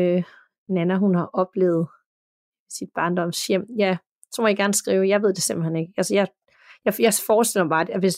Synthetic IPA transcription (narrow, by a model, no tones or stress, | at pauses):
ø | nænæɦunhɑ̈ʔɒ̽b̥lḛːʊð̞̩ˠ | sid̥̚b̥ɑ̈ːnd̥ɒ̽m̰sjem̰jæ | t͡sʰomɐjɡ̥æɐnsɡ̥ʁḭːʊjɑ̈ʋe̝ð̞̰ˠd̥e̝se̝mb̥l̩hene̝ɡ̥əælsəjɑ̈ | jɑjɑ̈fɒːsd̥el̰mɑb̥ɑ̈ːdʋe̝s